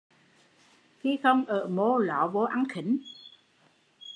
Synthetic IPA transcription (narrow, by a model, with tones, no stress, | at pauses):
xi˧xə˧wŋ͡mʔəː˧˩mo˧lɔ˧˨˦vo˨˦ʔa˨˧˦nxi˨˩˦n